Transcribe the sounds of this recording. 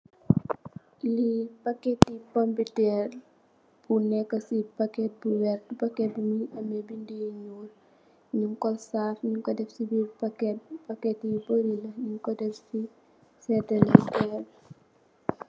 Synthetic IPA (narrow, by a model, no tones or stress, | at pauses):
lipakɛtːipɐmbitɛːr | b̥unɛkːɐsipakɛt̚buwɛrtpɐkɛt̚bumiʔɐmɛbindijɲuːl | ɲuŋkɔlsaːfɲuŋkɔdɛfsibipakɛt̚pɐkɛtibəɾilɐɲuŋkɔdɛfsi | sɛdɐlitɛr